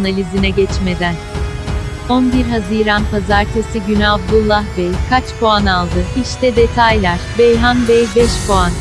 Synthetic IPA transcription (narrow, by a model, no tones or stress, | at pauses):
nalʲizinɛɟɛt͡ʃme̞d̪æn | onbiɾɦaziːɾanpʰazaɾt̪ʰesiɟynabd̪ulˠːahbejkʰat͡ʃpʰoanalˠd̪ɯhiʃt̪ʰɛd̪e̞t̪ʰajlʲæɾ̥bejɦanbejbɛʃpʰoan